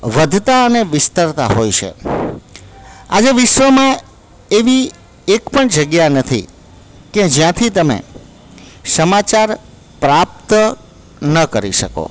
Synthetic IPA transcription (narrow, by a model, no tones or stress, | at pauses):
ʋəd̪ʱt̪aəneʋɪst̪əɾt̪a̰ɦojt͡ʃʰḛ | a̰d͡ʒeʋɪʃʋəmã | eʋi | ekpəɳd͡ʒəɡjanət̪ʰḭ | ked͡ʒjãt̪ʰit̪əmḛ̃ | səmat͡ʃaɾ | pɾap̚t̪ | nəkəɾiʃə̰ko̰